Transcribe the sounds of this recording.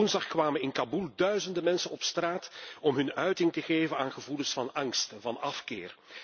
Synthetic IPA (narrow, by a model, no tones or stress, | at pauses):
ʊnzdɑχkʋaːmənɪnkabulˠdœɥzəndəmɛnsənɔpstraːtɔmɦɵnœɥtɪŋtəɣeːvənaːnɣəvuləsfɑnɑŋstvɑnɑfkɪ̰ːr